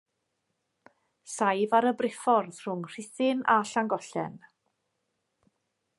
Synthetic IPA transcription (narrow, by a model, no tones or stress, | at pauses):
sajvaɾəbrɪfɔrð̥r̥ʊŋr̥ɪθɪnaɬaŋɡɔɬɛ̰n